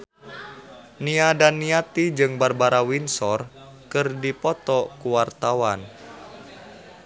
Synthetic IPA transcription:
niadanːiat̪id͡ʒɨŋbarbaɾawinsɔr | kɨrdipɔt̪ɔkuwart̪awan

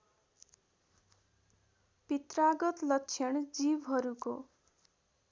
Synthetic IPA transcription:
pit̪raɡʌt̪lʌkt͡sʰjʌnd͡zibɦʌɾuko

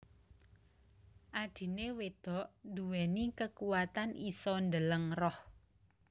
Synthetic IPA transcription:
ʔad̥i̤newed̪̥ɔ̤ʔnd̪uwɛnikəkuwat̪anʔisɔnd̪ələŋrɔh

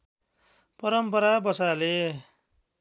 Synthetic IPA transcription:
pʌɾʌmpʌɾabʌsale

